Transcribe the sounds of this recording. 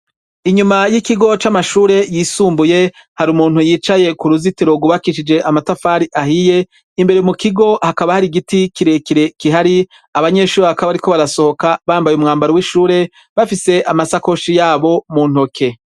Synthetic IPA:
iɲumajikiɡo̞t͡ʃamaʃuːɾe̞jiːsuːmbuje̞ | haɾumuːnhujiːt͡ʃaje̞kuɾuzitiɾo̞ɡuβakiʃid͡ʒe̞ʔamatafaːɾiʔahije̞ | imbe̞ɾemukiɡo̞hakaβahaɾiɡitikiɾekiɾe̞kiɦaɾi | aβaɲe̞ʃuːɾeβakaβaɾiko̞βaɾaso̞ho̞kaβaːmbajumŋaːmbaɾowiʃuːɾe̞ | βafise̞ʔamasako̞ʃijaːβo̞muːn̥ho̞kʰe̞

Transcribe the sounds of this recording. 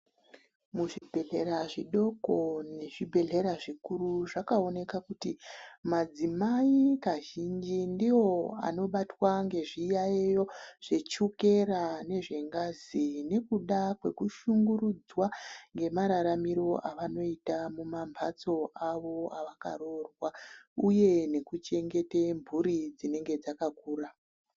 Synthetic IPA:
muʐibʱe̞ɮe̞ɾaʐiɗo̞ko̞ne̞ʐibʱe̞ɮe̞ɾaʐikuɾuʐakao̞ne̞kakutimad͡zimaikaʒind͡ʒindiwo̞a̰no̞ɓatwaŋɡe̞ʐijaejo̞ʐ̥e̞t͡ʃuke̞ɾane̞ʐe̞ŋɡazine̞kuɗakwe̞̰kuʃuŋɡuɾud͡zwaŋɡe̞maɾaɾamiɾo̞ʔaʋano̞itamumambʱat͡so̞ʔaʋo̞aʋaka̰ɾo̞rwauje̞ne̞kut͡ʃe̞ŋɡe̞tembʱuɾid͡zine̞ŋɡe̞d͡zakakuːra

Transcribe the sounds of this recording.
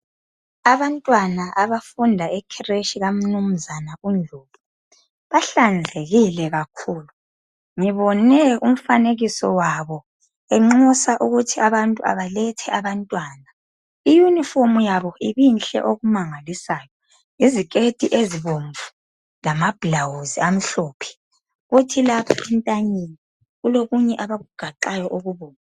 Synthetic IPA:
aβantʼwanaʔaβafundʱaɛkʰireʃiɣam̩num̩zanaund͡ɮʱoːβu | βaɬand͡zʱeɣilɛɣakʰuːlu | ŋiβɔnɛum̩faneɣisɔwaβɔ | ɛŋ͡ǁusaʔuɣutʰiaβantʼua̰βalɛtʰɛʔaβantʼwaːna | ijunifomujaβɔʔiβinɬɛ̰ʔoɣumaŋalisaːjɔ | izik̬ʼed̥ʱʼiʔeziβoɱvu | lamab̥lawuziam̩ɬɔːpʰɛ̥ | ɣutʰilapʰaintʼaɲini | ɣuloɣuɲɛʔaβaɣuɡ̥ʱaǃajɔʔoɣuβɔːna

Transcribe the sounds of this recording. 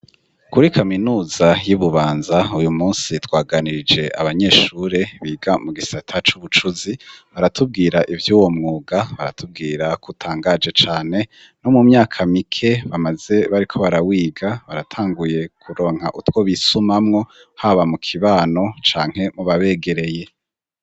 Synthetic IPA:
kuɾikaminuːzajuβuβaːnzaujumuːnsitwaːɡaniɾid͡ʒe̞ʔa̰βaɲe̞ːʃuɾe̞βiːɡamuɡisatʰat͡ʃuβut͡ʃuziβaɾatʰub̚ɡiːɾaʔivjuːwo̞mŋuːɡaβaɾa̰tub̚ɡiːɾakutʰaːŋɡaːd͡ʒe̞t͡ʃaːne̞ | no̞mumɲaːkʰamikʰe̞βamaze̞βaɾikʰo̞βaɾawiːɡaβaɾatʰaːŋɡuje̞kʰuɾo̞ːŋha̰ʔutwo̞βisumamŋo̞ | haβamukʰiβaːno̞t͡ʃaːŋ̥he̞muβaβe̞ːɡe̞ɾe̞je̞

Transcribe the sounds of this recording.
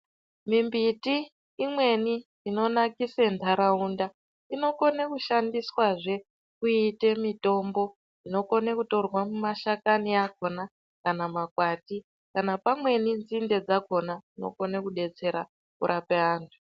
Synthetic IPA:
mimbitiː | mwe̞niː | no̞nakisentʰaɾaunda | ino̞ko̞nekuʃandiswaʐe̞ | kuite̞mito̞mbo̞ | ino̞ko̞nekuto̞rwamumaʃakaniakona | kanamakwati | kanapamwe̞nind͡zinde̞d͡zako̞naino̞̰ko̞nekuɗe̞t͡se̞ɾa | kṵɾʔapeaːntʰu̥

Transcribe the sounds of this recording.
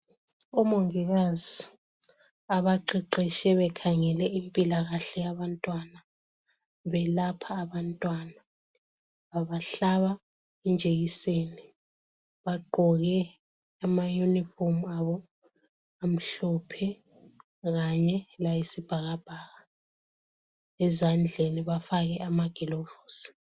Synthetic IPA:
umoŋiɣazi | aβaǃiǃiʃɛβɛkʰaŋɛlɛimpʼilaɣaɬɛjaβantʼwana | βɛlapʰaːβantʼwana | βaβaɬaβa | ind͡ʒʱeɣiseːni | βaɡ͡ǃʱɔɣɛ | amajunifomuaβɔ | am̩ɬɔpʰɛ | ɣaɲɛlajisib̥ʱaɣab̥ʱaːɣa | ɛzand͡ɮʱeniβafaɣɛʔamaɡ̥ʱilovo̥ːsi̥

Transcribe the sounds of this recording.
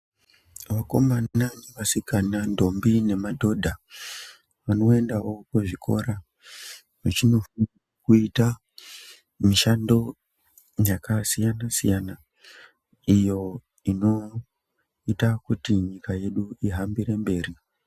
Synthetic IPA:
ʋako̞̰mananeʋasikanando̞mbine̞madʱo̞dʱa | ʋano̞e̞ndaokuʐikʰo̞̰ɾa | ʋet͡ʃino̞fanakuita | miʃando̞ | jakasijanasijana | ijo̞ | ino̞ | itakutiɲikaje̞ɗuiɦambiɾe̞mbe̞ːri

